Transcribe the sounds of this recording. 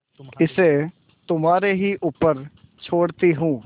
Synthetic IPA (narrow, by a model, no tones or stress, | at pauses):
ɪseː | t̪ʊmaːɾeɦiːʔuːpəɾ | t͡ʃʰoːɽt̪iɦũː